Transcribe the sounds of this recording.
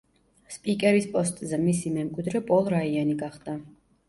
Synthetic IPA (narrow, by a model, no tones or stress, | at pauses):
spʼikʼɛɾispʼɔst̪ʼzɛmisimɛmkʼwid̪ɾɛpʼɔlˠɾaianiɡaχd̪̥a